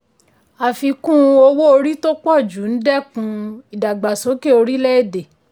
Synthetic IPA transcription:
a˨fi˧kũ˦˧o˧wo˦o˧ɾi˦to˦k͡pɔ˦˨d͡ʒu˨˦n̩˦dɛ˦˨kũ˧i˨da˨ɡ͡ba˨so˨˦ke˦o˧ɾi˦lɛ˦e˦˨de˨

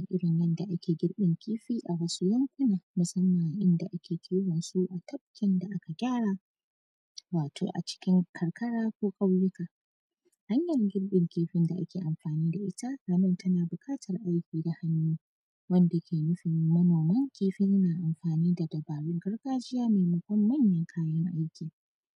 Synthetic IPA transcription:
ʔɪ˦ɽɪ˨nwɐ˦nda˨ʔa˦kʲeː˨ɡʲɪ˦ɽɓɪ˨ŋkʲiː˦ɸiː˦ʔa˨wɐ˦su˦jɐ˦ŋkʷʊ˦naː˨mʊ˨sɐ˦mːɐ˨ŋʔɪ˦nda˨ʔa˦kʲʰeː˨kʲʰiː˦wɐ˨nsu˦ʔa˨tʰɐ˦b̚kʲɪ˦nda˨ʔa˦ka˨ɡʲaː˦˨ɽaː˨ | waː˨tʰo̰ː˨ʔa̰˨t͡ʃɪ̥˦kʲɪ˦ŋkʰɐ˨ɽkɐ˦ɽaː˦kʷoː˦kʼa˦wjʊ˦kaː˨ | ha˦ɲjɐ˨rɡʲɪ˦ɽɗɪ˨ŋkʲeː˦ɸɪ˦nda˨ʔa̰˦kʲeː˨ʔa˨mɸaː˨niː˦da˨ʔɪ˦ta˦ɾɐ˦mɐ˦˨tɐ˦naː˨bʊ˨kʼaː˦tʰɐ˨rʔa˦jkʲiː˨da˨ha˦nːuː˦ | wɐ˦nda˨kʲʰeː˨nʊ˦ɸɪ˨mːɐ˦noː˨mɐ˦ŋkʲeː˦ɸɪ˦ɐ˦naː˨ʔa˨mɸaː˨niː˦da˨dɐ˨baː˨ɽʊ˦ŋɡɐ˦rɡaː˦d͡ʒɪ˦jaː˦ma˨mɐ˨˦kʷɔ˦mːɐ˦ɲjɐ˨ŋkʰaː˦jɐ˦ŋʔa˦jkʲiː˨

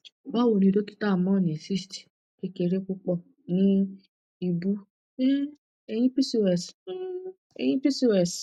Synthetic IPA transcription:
ba˦wo˨nĩ˧do˦ki̥˦ta˦˨mɔ̃˦˨nẽ˨si˦sti̥˨ | ke˦ke˧ɾe˦ku˦k͡pɔ˦˨ | nĩ˦ | i˧bu˦ | e˦ | e˧j̃ĩ˦pi˦si˦˨wɛ˨s | ḛ˧˨j̃ĩ˦pi˦si˦˧˨wɛ˨s

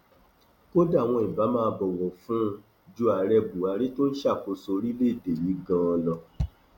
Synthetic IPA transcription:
ko˦da˦˨w̃ɔ̃˧i˨ba˨˦mãː˧bɔ˨wɔ̃˨fũ˦˧ | d͡ʒu˧a˨ɾɛ˧bu˨a˧ɾe˦to˦n̩˦ʃa˦˨fo˧so˧ɾi˦le˦i˦˨de˨ji˨˦ɡã˧ɔ˧lɔ˧

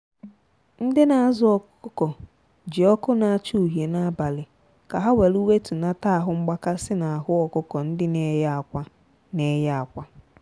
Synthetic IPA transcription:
n̩˦dɪ˦na˨a˨zʊ˦ɔ˨kʊ˦ʊ˦kɔ˨ | d͡ʒɪ˨ɔ˦kʊ˦na˨a˦t͡ʃu˦u˨ɦje˨na˦ba˨lɪ˨ | ka˨ɦa˦we˨lu˦we˦tu˨na˦ta˦a˨ɦʊ˦ŋ͡m̩˦ɡ͡ba˦ka˦sɪ˦na˨a˨ɦʊ˦ɔ˨kʊ˦kɔ˨n̩˦dɪ˦ne˦ja˦a˨kʷa˦ | ne˦ja˦a˨kʷa˦

